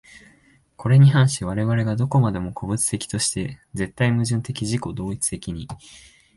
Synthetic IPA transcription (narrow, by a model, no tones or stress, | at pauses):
kʰo̞ɾe̞ɲ̟iɦãɰ̃ɕiβaɾe̞βaɾe̞ɡad̪o̞ko̞mad̪e̞mo̞kʰo̞bɯ̟t͡sɨ̥t̪e̞kʲi̥t̪o̞ɕi̥t̪e̞ze̞t̪ːaimɯ̟ʑɨ̃nt̪e̞kʲiʑiko̞d̪o̞ːit͡sɨ̥t̪e̞kʲiɲ̟i